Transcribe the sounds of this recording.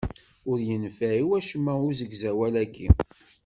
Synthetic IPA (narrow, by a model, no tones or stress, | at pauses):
ʊɾjənfæiwæʃəmːæʊzəɡzæwælæɡḭ